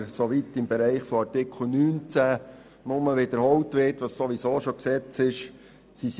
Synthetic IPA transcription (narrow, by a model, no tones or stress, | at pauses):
ɾsoʋit̪ːɪmbɛɾɛɪχfoɑɾtɪkʰl̩nyːnt͡sæ | nʊməʋɪd̪əɾhɔwtʋɪtʋɑssoʋisoːʃoksɛt͡sɪʃ | sis